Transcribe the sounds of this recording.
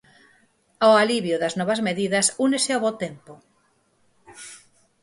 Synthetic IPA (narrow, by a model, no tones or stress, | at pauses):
oaliβjʊðɐznɔβɐzmeðiðɐsuneseaβot̪empʊ